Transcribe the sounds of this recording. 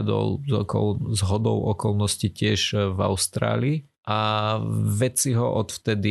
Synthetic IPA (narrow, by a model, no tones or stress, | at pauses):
d̪ɔ̰lzɔkɔ̰lzɦɔd̪ɔʊɔkɔlnɔscicɪɛʒva̰ʊst̪ɾa̰ːliː | ʔa | ʋɛt͡siɦɔʔɔt̪ft̪ɛd̪i